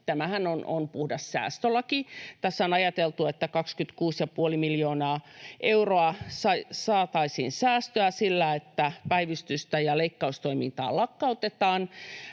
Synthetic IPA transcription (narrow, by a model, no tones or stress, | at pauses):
t̪æmæhænono̰npuhdɑssæ̰ːst̪ølːɑkit̪æsːonɑjɑt̪elt̪uet̪ːækɑkskyt̪kuːsjɑpuolimiljoːnɑːʔeuroɑsɑisɑːt̪ɑisḭːnsæːst̪øæsilːæet̪ːæpæiʋist̪yst̪æjɑleikːɑust̪oimḭnt̪ɑ̰ːlɑkːɑut̪et̪ɑːn